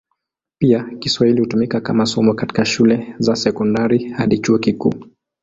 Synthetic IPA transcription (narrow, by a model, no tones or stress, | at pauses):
piakiswahilihutumikakamasɔmɔkati̥kaʃulɛzasɛkɔndaɾihaɗit͡ʃuɔkikṵː